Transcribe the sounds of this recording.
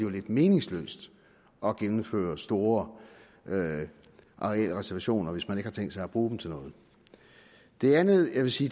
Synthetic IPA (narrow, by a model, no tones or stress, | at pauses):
iole̝d̥me̝ːne̝ŋslø̰ːsd̥ | ɒ̽ɡ̥enm̩fø̰ːɐsd̥o̝ːɐ | ʔɑʁel̰əʁɛsæɐʋæɕo̝̰ːnɐʋe̝smæne̝ɡ̥hɑ̈t͡sʰeŋ̰d̥sɑ̈ɪæb̥ʁuːd̥m̩t͡sʰe̝lnɔ̽ːð̞̩ˠ | d̥e̝ænð̩ˠjɑ̈ɪʋe̝siː